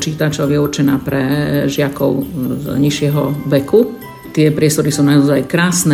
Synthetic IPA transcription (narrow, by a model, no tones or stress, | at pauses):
t͡ʃiːt̪at͡ʃɔʊjɛurt͡ʃɛnaːpɾɛʒɪakɔʊzɲiʃɪɛɦɔʋɛku | t̪ɪɛpɾɪɛst̪ɔɾisunaɔzajkɾaːsnɛ